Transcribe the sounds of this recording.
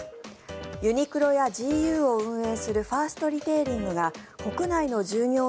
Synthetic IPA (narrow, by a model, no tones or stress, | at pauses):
jɯ̟ɲ̟ikɯ̟ɾo̞jad͡ʑiːjɯːo̞ɯ̟̃ɰ̃e̞ːsɨɾɯ̟ɸaːsɨ̥t̪o̞ɾʲit̪e̞ːɾʲĩŋɡɯ̟ɡako̞kɯ̟naino̞ʑɨːɲʲo̞ː